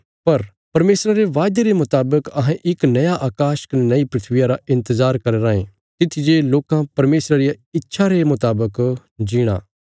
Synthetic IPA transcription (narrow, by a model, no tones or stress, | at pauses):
pɐɾ | pɐɾmeːsɾaɾeʋaːjd̪eɾemʊt̪aːbəkɐɦãʔɪknɐjaʔaːkaːʃə̥knnɐipɾɪt̪ʰʋɪjãɾaʔɪ̃nt̪əzaːɾkɐɾeɾãːḛ̃ | t̪ɪt̪ʰid͡ʒeloːkãpɐɾmeːsɾaɾijaɪtːʃʰaɾemʊt̪aːbək | d͡ʒiːɽ̃a̰ː